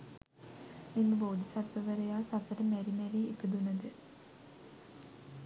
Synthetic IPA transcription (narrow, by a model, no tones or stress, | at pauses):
inːuboːd̪isɐɾt̪ːɐʋɐɾɐjaːsɐsɐɾɐmeɾimɐɾiipːed̪unːɐd̪ɨ